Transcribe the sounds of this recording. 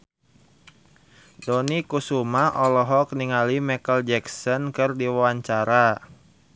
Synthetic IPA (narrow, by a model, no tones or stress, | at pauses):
dɔnikusumaʔɔlɔɦɔk̚niŋalimɛkəld͡ʒɛksɔnkɨrdiwawaɲt͡ʃaɾa